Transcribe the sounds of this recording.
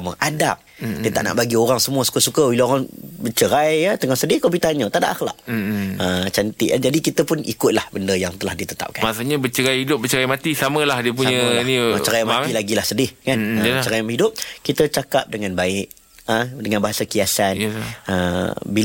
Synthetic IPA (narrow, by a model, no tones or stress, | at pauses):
məʔadap̚iət̪a̰ʔna̰ʔbaɡioɾaŋsəmuəsu̥kəsukəwilaoɾaŋbət͡ʃəɾajət̪əŋɔhsədɪhkabit̪aɲət̪aʔdaʔaxla̰ʔət͡ʃant̪ɪʔəd͡ʒadikit̪əpʊnikʊt̪̚lahbəndəjaŋt̪əlahdit̪ət̪a̰p̚ka̰nmasuɲabət͡ʃəɾajhidʊp̚bət͡ʃəɾajmat̪isaməlahdiəp̬uɲənimat͡ʃəɾajmaat̪ilaɡilahsədɪhkanət͡ʃəɾajmɦidʊp̚kit̪ət͡ʃakap̚dəŋanbaɪʔ | ədəŋanbaɦasakiasanəbi